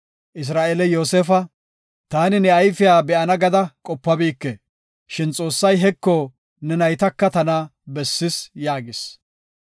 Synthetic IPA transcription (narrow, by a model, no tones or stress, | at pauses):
ʔɪs̬ɾaːʔelɛjo̞ːseːfɐ | t̪aːnɪnɛɐjfɪjaːbɛʔɐnɐɡɐd̪ɐkʼɔpːɐbiːkːɛ | ʃɪnt͡sʼo̞ːsːɐjɦɛkːɔ | nɛnɐjt̪ɐkːɐt̪ɐnɐbɛsːɪsjaːɡɪs